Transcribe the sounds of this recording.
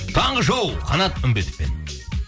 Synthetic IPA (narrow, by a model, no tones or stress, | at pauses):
t̪ʰɑɴʁəʒow̪ˠqʰɑ̰nɑt̪ʏmbet̪ɪ̥p̚pe̞̰n